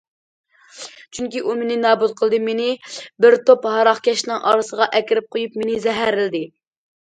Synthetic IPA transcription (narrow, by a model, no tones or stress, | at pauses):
t͡ʃʰyŋkʲiʔumenɪnɑːbut̪̚qʰəlˠd̪ɨmenɪbɪɾt̪ʰophɑɾɑχkʲʰɛʃnɪŋʔɑ̰ːɾɨsəʁɑʔɛkʲɪɾɪp̚qʰojupmenɪzɛɦæɾɪlɪd̪ɪ